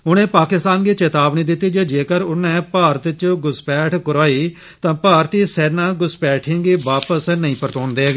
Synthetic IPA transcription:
ʊnẽːpaːkɪst̪aːnɡiːt͡ʃeːt̪aːbniːd̪ɪt̪ːiːd͡ʒeːd͡ʒeːkəɾʊnɛ̃ːpaːɾət̪t͡ʃoɡʊspɛːʈʰkʊɾaːiː | t̪ãːpaːɾt̪iːsɛːnãːɡʊspɛːʈʰɪ̃ːŋɡiːʋaːpəsnəĩːpəɾt̪õːnd̪eːɡ

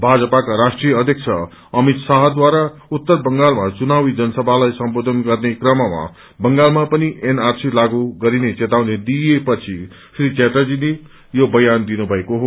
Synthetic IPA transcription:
bʱad͡zʌpakaɾasʈrijʌʌd̪ʱjʌk̚t͡sʰʌ | ʌmit̪saɦd̪waɾaut̪ːʌrbʌŋɡalmat͡sunawid͡zʌnʌsʌbʱalajsʌmbod̪ʱʌnɡʌrnekrʌmama̰ | bʌŋɡalmapʌniʔenarsilaɡuɡʌɾinet͡set̪awned̪ijepʌt͡sʰi | srit͡seʈad͡zine | jobʌjand̪inubʱʌekoɦo

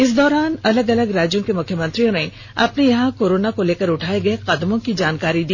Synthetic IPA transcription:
ɪsd̪ɔːɾaːnɐləɡɐləɡɾaːd͡ʒjõkemʊkʰjəmɐ̃nt̪ɾijõne | ɐpnejɐɦãkoːɾoːnakoleːkəɾʊʈʰaːeɡɐeqɐd̪mõkid͡ʒaːnkaːɾid̪iː

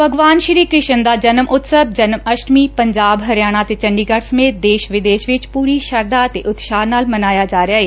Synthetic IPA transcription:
bʱəɡʋaːnʃɾiːkɾɪʃənd̪aːd͡ʒənəmʔʊt̪səb̚d͡ʒənməʃʈmiːpəɲd͡ʒaːbɦəɾjaːɽ̃aːt̪eːt͡ʃə̃ɳɖiːɡəɽsəmeːt̪̚d̪eːʃʋɪd̪eːʃʋɪt͡ʃpuːɾiːʃəɾd̪aːət̪eːʔʊt̪ʃaːnaːlmənaːjaːd͡ʒaːɾeaːɦeː

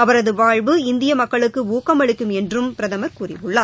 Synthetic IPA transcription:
ɐʋɐɾɐðɯʋaːɻbɯɪnd̪ɪjɐmɐkːɐɭɯkːɯuːkɐmɐɭɪkːɯmɛndrɯmpɪɾɐðɐmɐkʊrɪ̰ʋɯɭːaː

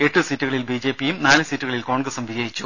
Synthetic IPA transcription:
e̞ʈːɨsitːuɣɐɭilbiːd͡ʑe̞ːpːijumnaːlɨsitːuɣɐɭilko̞ːɳɡrɐsumʋid͡ʑɐjit͡ɕːu

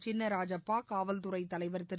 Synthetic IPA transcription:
t͡ʃɪnːɐɾaːd͡ʒɐpːaːkaːʋɐlt̪ʊrɐɪt̪ːɐlɐɪʋɐɾt̪ɪɾ

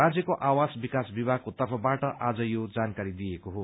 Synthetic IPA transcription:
rad͡zjʌkoʔawasbikasbibaɡ̚kot̪ʌrpʰʌbaʈʌʔad͡zʌjod͡zankaɾid̪ijekoɦo

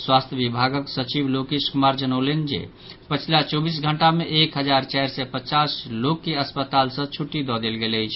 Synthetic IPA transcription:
swast̪ʰjəbibʱaɡəksət͡ʃiblokiskumaɾd͡ʒənəʊlend͡ʒḛ | pət͡ʃʰilat͡ʃɔbisɡʱəɳʈameʔekɦəd͡ʒaɾt͡ʃɛjɾsɛpət͡ʃaslokːeəspət̪alsə̃t͡ʃʰuʈːid̪ɔd̪elɡeləjt͡ʃʰ

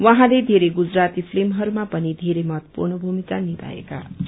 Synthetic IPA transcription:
wʌɦãled̪ʱeɾeɡud͡zrat̪ipʰlemɦʌɾumapʌnid̪ʱeɾemʌt̪purnʌbʱumikanit̪a̰ḛka̰

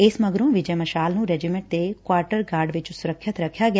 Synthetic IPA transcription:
ɪsməɡɾõːʋɪd͡ʒəməʃaːlnũːɾɛd͡ʒimɛ̃ɳʈ̚t̪ekwaːɾʈəɾɡaːɾɖʋɪt͡ʃsʊɾəkʰːət̪ɾəkʰːjaːɡɪj

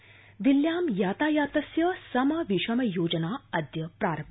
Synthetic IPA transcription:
ʋilːjaːmjaːt̪aːjaːt̪ɐsjɐsɐmɐʋiʃɐmɐjoːd͡ʒɐnaːɐd̪jɐpɾaːɾɐm

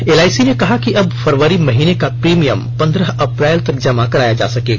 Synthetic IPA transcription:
eːlaːɪsinekɐɦakiʔɐbfɐɾʋəɾimɐɦiːnekapɾiːmijəmpɐ̃nd̪ɾəɦɐpɾɛːlt̪ɐɾ̚d͡ʒəmakɐɾaːjad͡ʒa̰ːsɐkeːɡa

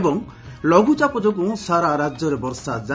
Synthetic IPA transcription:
bɔŋ | lɔɡut͡ʃapɔd͡ʒoɡũsaɾaɾad͡ʒjɔɾebɔɾsad͡ʒa

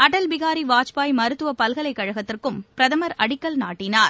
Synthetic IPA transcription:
ɐʈɐlbɪɣaːɾiʋaːt͡ʃpaːjmɐɾɯt̪ːɯʋɐpɐlɣɐɭɐɪkːɐɻɐɣɐt̪ːɪrkɯmpɪɾɐðɐmɐɾɐɽɪkːɐlnaːʈːɪnaːɾ

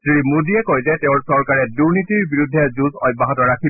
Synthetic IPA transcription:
sɹimudiɛkojzɛtɛʊ̃ɹsɔɹkaɹɛduɹnitiɹbiɹudʱːɛzuzɔjbaɦɔtɔɹakʰi

